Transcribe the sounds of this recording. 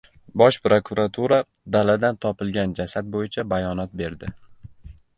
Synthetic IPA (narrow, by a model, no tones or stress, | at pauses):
bɒʃpɾokʰuɾat̪ʰuɾa | d̪alad̪ant̪ʰɒpɪlˠɡʲand͡ʒasad̪̚bojɪt͡ʃʰabajɒnɒt̪̚be̞ɾd̪ɪ